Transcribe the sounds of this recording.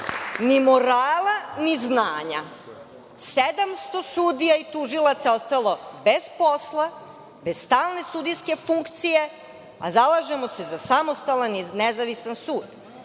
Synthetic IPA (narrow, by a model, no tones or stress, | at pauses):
nimo̞ɾaːlˠaniznaːɲa | sed̪amst̪o̞suːd̪ijait̪uʒilˠat̪sao̞st̪alˠo̞be̞zpo̞slˠa | be̞z̥st̪aːlˠne̞sud̪ijske̞fuŋkt̪sije̞ | a̰zalˠaʒe̞mo̞se̞zasamost̪alˠaninezaʋisansuːd̪